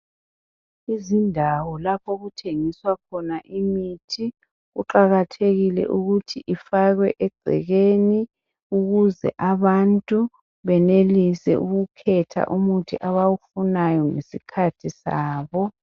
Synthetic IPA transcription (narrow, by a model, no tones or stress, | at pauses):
izindʱawɔlapʰoɣutʰeŋiswakʰɔnaʔimitʰi | ɣṵǃaɣatʰeɣilɛ̰ʔuɣutʰiʔifaɣwɛʔɛɡ͡ǀʱɛ̰ɣeni | uɣuzɛ̰ʔaβantʼu | βɛnelisɛ̰ʔuɣukʰɛtʰa̰ʔumutʰiʔaβawufunajɔŋḛsikʰatʰisa̰ːβɔ